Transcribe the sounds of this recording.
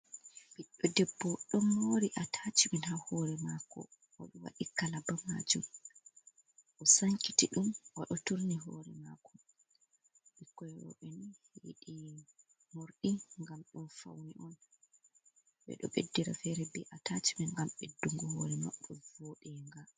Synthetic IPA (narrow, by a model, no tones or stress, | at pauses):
biɗːɔdɛbːɔɗɔmhoɾiʔatʰat͡ʃimɛnhahɔɾɛmakɔ̰ | wa̰ɗɔwa̰ɗikalabama̰d͡ʒum | ʔɔsaŋkitiɗumwaɗɔtuɾniɦɔːɾɛmakʰɔ | ikːɔjwɔ̰ɓɛniheɗi | moɾɗiŋɡamɗunfa̰wniʔɔn | ɓɛ̰ɗɔ̰ɓedːiɾa̰fɛɾɛbɛʔatʰat͡ʃimɛnɡamɓɛduŋɡɔhɔɾɛma̰ɓːɛvoːɗɛŋɡa